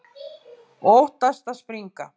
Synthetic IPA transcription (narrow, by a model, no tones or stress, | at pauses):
oht̪aʃt̪aspɾiŋka